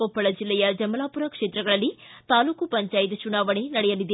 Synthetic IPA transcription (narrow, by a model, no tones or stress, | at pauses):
opːɐɭɐd͡ʒilːɛjɐd͡ʒɐmɐlaːpuɾɐkʂeːt̪ɾɐɡɐɭɐlːit̪aːluːkupɐɲt͡ʃaːjit̪t͡ʃunaːʋɐɳenɐɽɛjɐlid̪e